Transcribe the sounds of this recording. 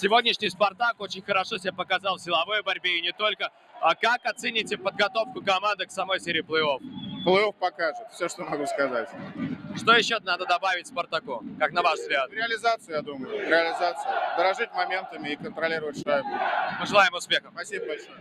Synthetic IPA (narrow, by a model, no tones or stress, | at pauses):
sʲɪvo̞dʲnʲɪʂnʲɪjspɐrt̪akot͡ɕɪnʲxəɾɐʂosʲɪbʲapəkɐzɑlˠsʲɪlˠɐvɨjəbɐɾʲbʲeɪnʲɪt̪o̞lʲkə | akakɐt̪sɛnʲɪtʲɪpəd̪̚ɡɐt̪o̞fkʊkɐmand̪ɨksɐmo̞jsʲeɾʲɪplˠəo̞fplˠəofpɐkaʐɨt̪fsʲoʂt̪omɐɡuskɐzatʲʂt̪o̞jɪɕːonad̪əd̪ɐbavʲɪtʲspərt̪ɐkokaknɐvaʂzɡlʲat̪̚ɾʲɪɐlʲɪzat̪sɨəjad̪uməjʊɾʲɪɐlʲɪzat̪sɨjəd̪əɾɐʐɨt̚ʲmɐmʲe̞nt̪əmʲɪːkənt̪ɾɐlʲiɾəvətʲʂajbud̪ʲməʐɨlˠajɪmʊspʲe̞xəpɐsʲibəbɐlʲsob